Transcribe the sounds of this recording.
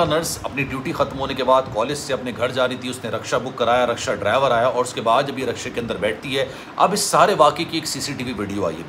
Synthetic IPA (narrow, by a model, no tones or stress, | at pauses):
anəɾsɐpniʈjuːʈixɐt̪mɦoːnekebaːd̪kɔːled͡ʒseɐpneɡʱɐɾd͡ʒaːɾit̪iʊsneɾɐkʃabʊkːɐɾaːjaɾɐkʃaɖɾaːɪʋəɾaːjaʔɔːɾʊskebaːd̪ɐbʱiɾɐkʃẽkeɐ̃nd̪əɾbɛːʈʰt̪iɦɛ | ɐ̰bɪsːaːɾeʋaːkekieːksiːsiʈiːʋiʋɪːɖijoa̰ːḭḛː